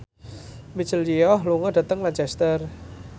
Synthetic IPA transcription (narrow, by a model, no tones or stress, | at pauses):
mi̥t͡ʃəld͡ʒijɔhluŋɔɖ̥at̪əŋlant͡ʃɛst̪ər